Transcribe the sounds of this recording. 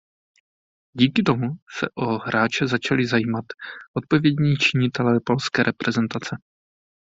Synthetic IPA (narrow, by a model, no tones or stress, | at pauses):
ɟiːkɪt̪o̞musɛ̰ʔoɦɾaːt͡ʃɛzat͡ʃalɪzajiːmat̪ʔo̞t̪̚po̞vjɛdɲiːt͡ʃɪɲɪt̪ɛlɛːpo̞lskɛːɾʔɛpɾɛzɛnt̪at͡sɛ